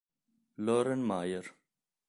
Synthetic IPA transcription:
loːɾɐnmaːjəɾ

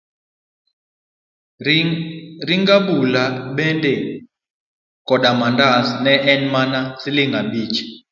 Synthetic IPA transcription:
riŋɡaɓulaɓɛndɛ | kʼɔɗamandasnɛʔɛnmanasiliŋɡaɓiːt͡ʃʰi̥

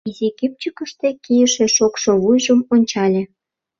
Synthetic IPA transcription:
izʲeɡip̚t͡ɕəkəʃt̪ekijəʃĕʃokʃoβujʒəmonʲt͡ɕɑlʲĕ

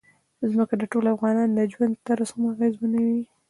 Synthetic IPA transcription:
zməkad̪əʈolafɣɑnɑnləd͡ʒwand̪t̪aɾashamaɣezmənawi

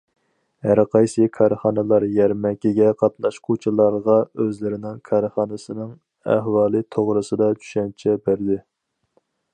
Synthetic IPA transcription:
hæɾqʰɑjsɨkʰɑɾχɑnɨlˠɑɾjɛɾmɛkʲiɡʲɛqʰɑt̪nɑʃqʰot͡ʃʰɨlˠɑɾʁɑøzlɪɾɪnɪŋkʰɑɾχɑːnɨsɨnɨŋ | æ̰hwɑːlˠɨt̪ʰoʁɾɨsɨd̪ɑd͡ʒy̥ʃɛnt͡ʃʰɛbæɾd̪ɪ

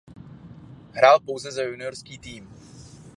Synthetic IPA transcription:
ɦɾaːlpowzɛzajunɪjoɾskiːt̪iːm

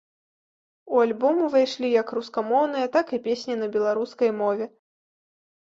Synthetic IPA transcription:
ualʲbɔmuvajʂlʲijɐkruskɐmɔwn̪ɨjɐt̪akipʲesʲnʲinɐbʲɛlˠaɾuskɐjmɔvʲɛ

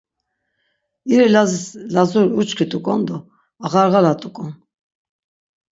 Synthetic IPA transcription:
iɾilazislazuɾut͡ʃʼkʰit̪ʼukʼɔnd̪ɔ | aɣaɾɣalat̪ʼukʼɔn

